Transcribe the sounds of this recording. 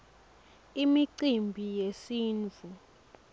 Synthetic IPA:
imiǀimbʱijesiːnd͡vʱu

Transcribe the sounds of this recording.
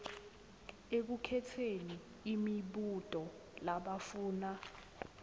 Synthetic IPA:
ek̬ukʰɛtʰeniː | miɓutʼɔ | laɓafuːna

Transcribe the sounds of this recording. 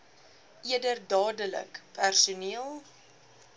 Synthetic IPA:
ʔiədərdɑːdələ̰kpʰærsuniəlˠ

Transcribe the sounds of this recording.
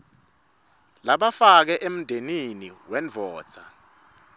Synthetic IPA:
laɓafak̬ɛʔem̩ndʱeniniwɛnvʱɔːd̥t͡sʰa

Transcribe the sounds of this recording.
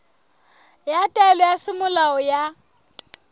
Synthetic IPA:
jatʼɛlɔjasɪmʊlaɔja

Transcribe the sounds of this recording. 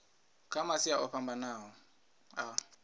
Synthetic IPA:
kʰamasiaʔɔɸʰambanaːɦɔ | a

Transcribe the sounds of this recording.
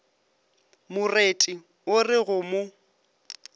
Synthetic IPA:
mʊretʼɪ | ʊrɪɣʊmʊ

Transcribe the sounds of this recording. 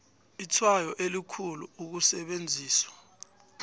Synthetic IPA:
itʰwajɔʔelikʰuluːk̬usɛɓend͡zʱiːswḁ

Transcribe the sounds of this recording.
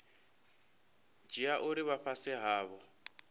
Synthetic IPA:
d͡ʒiaʔʊɾiβaɸasɪɦaːβɔ

